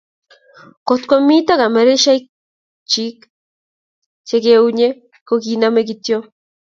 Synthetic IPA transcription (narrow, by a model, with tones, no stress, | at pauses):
kot̪kʷo˦mi˦ta˦ka˨mɛ˨ɾe˦ʃa˦ik | t͡ʃi˦k | t͡ʃe˦ke˦u˦ɲe˦ | kokina˦me˦kitjo˦